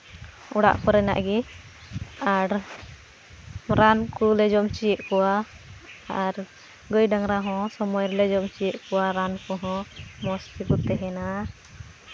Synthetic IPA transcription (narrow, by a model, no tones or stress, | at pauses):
uɽa̰ʔkɔɾɛna̰ʔɡɛ | aɾ | ɾankulɛd͡ʒɔmt͡ʃijɛʔkɔwa | aɾ | ɡəjɖaŋɾaɦɔ̃sɔmɔjɾlɛd͡ʒɔmt͡ʃijɛʔkɔwaɾankɔɦɔ̃mɔskikut̪ɛɦɛna